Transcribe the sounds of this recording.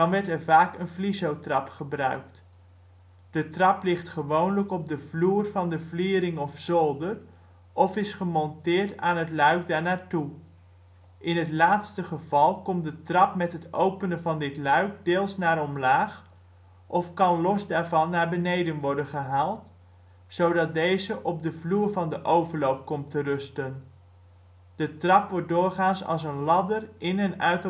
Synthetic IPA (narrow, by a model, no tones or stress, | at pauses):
dɑnʋɛɹtɛɹvaːkənflizowtrɑpχəbrœ̰ɥkt | d̥ətrɑplɪχtχəʋownləkɔb̚dəvluːrvɑndəvliːɾɪŋɔfsɔlˠdər | ʔɔfɪsχəmɔntɪːɹtaːnɦətlœɥk̚daːɹnaːɹtu | ʔɪnɦətlaːtstəχəvɑlˠkɔmt̚dətrɑpmɛtɦətowpənəvɑndɪtlœɥk̚deːlˠsnaːɾɔmlaːχ | ʔɔfkɑnlɔsdaːɹvɑnːaːɹbənejdənʋɔɹdənχəɦaːlˠt | sowdɑt̚dejzəʔɔb̚dəvluːɹvɑndəʔowvəɹlowp̚kɔmtərɵstən | d̥ətrɑpʋɔɹt̚dʊːɹχaːnsɑ̰lˠs̬ənlɑdərʔɪnənœɥt